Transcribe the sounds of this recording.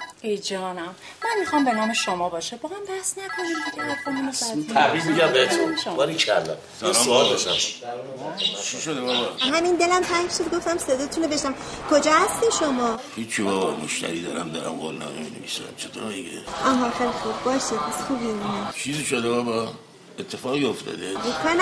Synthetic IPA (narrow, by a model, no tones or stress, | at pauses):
ed͡ʒɒːnæmmænmixɑmbe̞nɒːmeʃomɒːbɒːʃebɒːɣæmbæhsnækʰonid̪ket̪ʰæɾd̪kʰonimosæt̪ʰiæbimiɡæmbeet̪oʃbɒɾikʰælːɒ | sæɾɒmsɒd̪ɔʃæm | t͡ʃʰiʃod̪ebɒbɒɦæmind̪elæmt̪ʰækʃod̪̚ɡo̞ft̪æmsed̪ɒːt̪ʰunobeʃnæmkʰod͡ʒɒːhæst̪iʃomɒːhit͡ʃʰibɒːbɒmoʃt̪æ̰ɾiːd̪ɒːɾæmd̪ɒ̰ɾæ̰mɡolnɒ̰ːmḛminevḭːsæ̰mt͡ʃʰet̪ʰoːɾmiɡeʔɒːɦɑxeːlixubbɒːʃid̪̥̚pʰæsxubieunit͡ʃʰiːziʃod̪ebɒbɒ | et̪ʰːefɒːɣioft̪ʰɒ̰ːd̪eekʰɑɾn